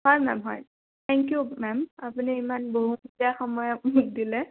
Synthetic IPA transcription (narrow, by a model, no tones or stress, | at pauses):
ɦɔjmɛ̰mɦɔ̰j | t̪ʰɛŋkjumɛmapuniemanboɦumitiaxɔmɔjamuk̚dilɛ